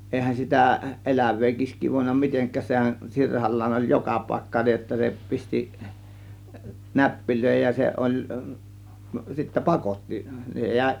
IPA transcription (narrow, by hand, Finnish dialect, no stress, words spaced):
eˑihæn sitæ elæʋˑeː kiːskˑiː ʋoˑe̝nːɑ miteŋkˑæːs sehæn sirhɑlːɑːn olʲ jokɑ pɑˑe̝kːɑ niːj jotːɑ se pisti næpːiløˑe̝hej jɑ se ʔolʲ sitːæ pɑkotːi jæˑe̝